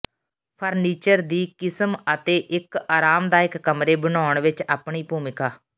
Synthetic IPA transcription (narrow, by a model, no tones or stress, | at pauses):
pʰəɾniːt͡ʃəɾd̪iːkɪsəmət̪eːʔɪkaːɾaːmd̪aːɪkːəmɾeːbənaːʊɳʋɪt͡ʃaːpɳiːpuːmɪkaː